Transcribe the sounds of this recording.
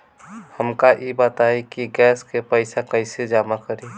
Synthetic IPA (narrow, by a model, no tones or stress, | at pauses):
həmkaʔibat̪aikiɡɛːskepəɪsakəɪsed͡ʒaːmakəɾi